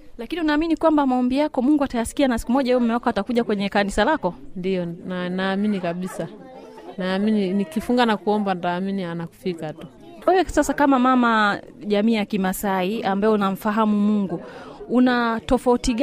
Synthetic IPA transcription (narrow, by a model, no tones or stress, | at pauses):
lakiniunaːminikwambamaɔmbijakɔmuŋɡuatajasi̥kianasi̥kumɔʄaɛɛm̩mɛakɔatakuʄakwɛɲɛkanisalakɔndiɔnanaːminikaɓisa | naːmininikifuŋɡanakuɔmbantaːminianaku̥fikatu | wɛwɛsasakamamama | ʄamiːjakimasaiambaɛunam̩faɦamumuŋɡuunatɔfautiɠ